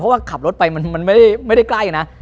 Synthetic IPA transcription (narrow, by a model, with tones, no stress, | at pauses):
pʰɔ˦˥waː˥˩kʰa˨˩p̚ɾo˦˥t̪̚pa˧jma˧nma˧nma˥˩jda˥˩jma˥˩jda˥˩jklaː˥˩juː˨˩na˦˥ʔ